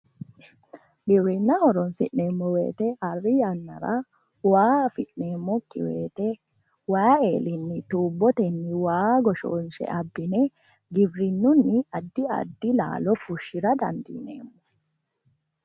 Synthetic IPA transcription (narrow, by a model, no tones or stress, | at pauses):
ɡɪbɾɪnːɐhɔɾɔnsɪ̰ʔneːmːɔwḛːt̪ɛhɐrːɪjɐnːɐɾɐ | waːfɪʔneːmːɔkːɪ̰wḛːt̪ɛ | waːeːlɪnːɪt̪uːbːɔt̪ɛnːɪwaːɡɔʃoːnʃɛ̰ʔɐbːɪnɛ | ɡɪbɾɪnːʊnːɪɐd̪ːɪɐ̰d̪ːɪla̰ːlɔfʊʃːɪɾɐd̪ɐ̰nd̪ḭːnḛːmːɔ